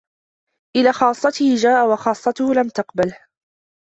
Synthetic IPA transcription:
ʔɪlaːxɑːsˤːɑt̪ɪhd͡ʒaːʔawɑxɑːsˤːɑt̪ʊhʊlamt̪aqbalh

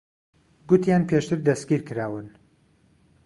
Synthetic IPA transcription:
ɡʊt̪ʰjaːnpʰeʃt̪ɨɾd̪ɐsɡʲiɾkɨɾaːwɨn

